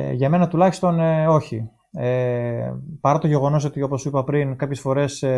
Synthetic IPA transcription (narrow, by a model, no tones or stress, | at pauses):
ʝɐme̞nɐt̪ulɐçist̪o̞no̞çi | e | pɐɾɐt̪o̞ʝe̞ɣo̞no̞s̬o̞t̪io̞po̞sipɐpɾinkɐpçesfo̞ɾe̞s